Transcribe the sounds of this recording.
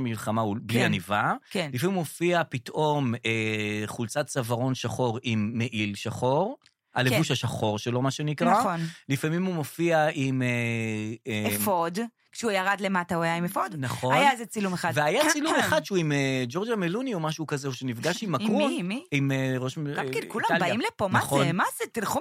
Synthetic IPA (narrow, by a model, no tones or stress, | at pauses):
milχamaublianivakenlifamimumofiapitʔo̞meχult͡sat̪t͡savaʁo̞nʃaχo̞ʁimːeʔilʃaχo̞ʁ | a̰levuʃhaʃaχo̞ʁʃelo̞maʃe̞nikʁaonlifamimumo̞fiaʔime | eefod | kʃeujaʁadlematauajaimefodnaχoajazet͡silumeχad̪veajat͡silumeχad̪ʃuimed͡ʒo̞ʁd͡ʒamelunio̞maʃukazeuʃenifɡaʃimakumiimeʁoʃɡakedkulambaimlepomnaχomazet̪ilχu